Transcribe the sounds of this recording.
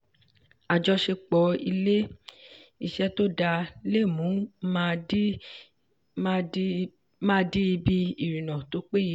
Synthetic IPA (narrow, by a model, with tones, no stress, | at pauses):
a˨d͡ʒɔ˧ʃe˧k͡pɔ˨˦i˧le˦ | i˨ʃɛ˦to˦da˧le˦˨mũ˨˦mã˧˦˧ | mã˦˧di˦i˧bi˦i˨ɾĩ˨nã˨to˨˦k͡pe˦ji˧˦